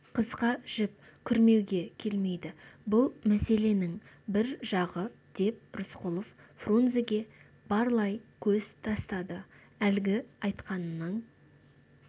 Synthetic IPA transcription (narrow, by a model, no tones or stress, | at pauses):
qʰəzqɑʒ̥ɪp̚ | kʲʰʏɾme̞wɡʲe̞kʲʰe̞lme̞jd̪ɪbʊlˠmæse̞le̞nɪŋ | bɪɾʒɑʁəd̪̥e̞p̚ɾʊsqʊlˠof | fronzeɡʲe̞ | bɑɾlˠɑjkʲʰɵz̥t̪ʰɑst̪ɑd̪ə | ælɡʲɪɑjt̪qɑnənəɴ